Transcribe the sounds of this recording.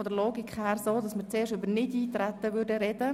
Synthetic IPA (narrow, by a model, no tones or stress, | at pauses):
ɔdəɾloːɡɪkχhɛːrsoːdɑsmət͡seːʃybənɪdiːt̪ɾɛtəʋʏɾdəɾɛdə